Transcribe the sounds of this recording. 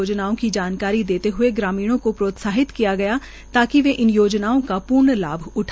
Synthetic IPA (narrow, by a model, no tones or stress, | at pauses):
oːd͡ʒnaːõkid͡ʒaːnkaːɾid̪eːt̪eɦʊeɡɾaːmiːɽ̃õkopɾoːt̪saːɦɪt̪kijaɡɐja | t̪aːkiʋeʔɪnjoːd͡ʒnaːõkapʊɾɳla̰ːbʱʊʈʰː